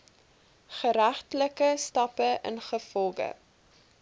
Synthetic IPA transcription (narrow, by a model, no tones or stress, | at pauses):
χəɾæχtləkəstɑpəʔə̰nχəfɔlˠɡə̰